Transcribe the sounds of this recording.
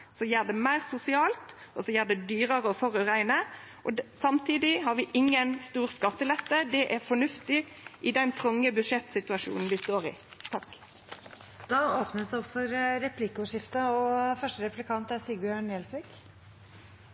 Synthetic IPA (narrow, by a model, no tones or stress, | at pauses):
sɔjæːʁd̪ɛmæɪʁsʊsɪɑːlt̪ɔsɔjæːd̪ɛd̪yːɾəʁəɔfɔʁʉʁæɪnəʔɔsɑmt̪ʰiːd̪ɪɦɑːɾʋɪʔɪŋːənst̪uːʁskɑt̪ːəlɛt̪ːəd̪ɛʔæɾfɔɳʉft̪ɪ | ʔɪd̪ɛnt̪ʰʁʊŋːəbʉd̪ʂɛt̪ːsɪt̪ʉɑʃṵːnn̩ʋɪst̪oːʁɪ̰t̪ʰɑk | d̪̥ɑːoːpnəsɛɔpfɔɾɾɛpʰlɪkʊʂɪft̪əɔfœʂʈəɾɛpʉlɪkʰɑnt̪æɾsiːɡbjøːɳɛːlsʋɪːk